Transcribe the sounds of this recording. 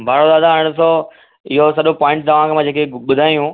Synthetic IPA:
bʱaːɽod̪aːd̪ʱaaɽ̃ʊso | ɪɦosɐɗopɔːɪ̃ɳʈt̪ɐʋ̤ãkʰemãːd͡ʑeːkeɓʊd̪ʱaːijũ

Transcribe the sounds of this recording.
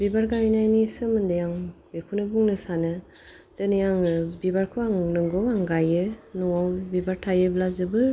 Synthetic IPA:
bibaɾɡajnajnisɯmɯndɯjaŋbekʰunɯbuŋnɯsanɯ | d̥ɯnɯjaŋbibaɾkʰuaŋnɯŋɡɔwaŋɡajɯnɔwawbibaɾtʰajɯblazɯbɯ

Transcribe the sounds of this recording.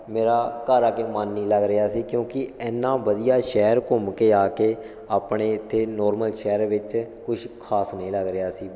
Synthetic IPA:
meːɾaːkəɾaːkeːmənːĩːləɡɾɪɦaːsiːkjõːkɪɛːnːãːʋəd̪ijaːʃɛːɾkʊmkeːaːkeː | aːpɳeːɪt̪ʰːeːnɔːɾməlʃɛːɾʋɪt͡ʃkʊʃkʰaːsnĩːləɡɾɪaːsiː

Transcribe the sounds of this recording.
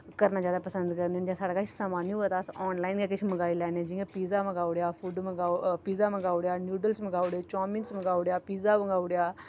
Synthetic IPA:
kəɾnaːd͡ʒjaːd̪aːpəsə̃nd̪kəɾnend͡ʒãːsaːɽaːkat͡ʃʰsaːmaːniɦaːt̪aːsɔːnlaːɪnkaːkɪt͡ʃʰməɡaːilɛːnẽːd͡ʒɪjãːpiːzaːmə̃ɡaːʊɽjaːfʰuːɖmə̃ɡapiːzaːmə̃ɡaːʊɽjaːnjuːɖəlsməɡaːʊɽeːt͡ʃaːminsməɡaːʊɽjaːpiːzaːməɡaːʊɽjaː

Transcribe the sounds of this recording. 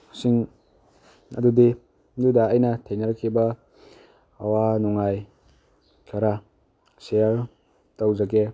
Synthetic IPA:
siŋ | ɐ̰dudi | dudɐːjnɐtʰejnaɾakʰːibɐ | wanɔŋaj | kʰaɾa | seja | tawzaɡe

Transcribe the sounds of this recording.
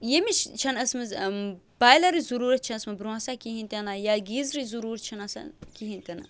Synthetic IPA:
jemit͡ʃt͡ʃʰɐnɐsmɐz | b̥aːjlɐɾizuɾuːɾɐt̪̚t͡ʃʰɐnɐsmɐbɾãsakiɦĩnt̪ʲenajaːɡiːzɾizuɾuːɾət̪̚t͡ʃʰɐnɐsa̰kiɦĩnt̪ʲɐna̰ː

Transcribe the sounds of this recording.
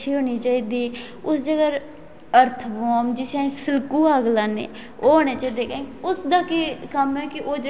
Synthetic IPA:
ʃʰiːɦoːñiːt͡ʃaːiːd̪iː | ʊsd͡ʒəɡəɾ | əɾt̪ʰbɔːmd͡ʒɪsãẽːsɪlkuːaːɡlaːnḛː | oːɦoːɽ̃eːt͡ʃaːiːd̪eːkəẽkʊsd̪aːkikəmɛːkɪʔoːd͡ʒə

